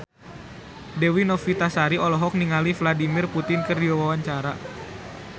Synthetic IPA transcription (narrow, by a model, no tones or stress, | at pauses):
dewinɔfit̪asaɾiɔlɔɦɔk̚niŋalifladimɪrput̪ɪnkɨrdiwawawaɲt͡ʃaɾa